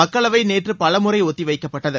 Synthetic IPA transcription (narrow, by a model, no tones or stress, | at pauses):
ɐkːɐɭɐʋɐɪneːʈrɯpɐlɐmɯrɐɪɔt̪ːiʋɐɪkːɐpːɐʈːɐðɯ